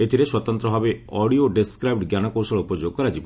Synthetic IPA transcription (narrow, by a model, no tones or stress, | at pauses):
et̪ʰiɾeswɔt̪ɔnt̪ɾɔɦabeɔɽioɖeskɾajb̚ʈɡjanɔkowsɔɭupɔd͡ʒoɡ̚kɔɾad͡ʒibɔ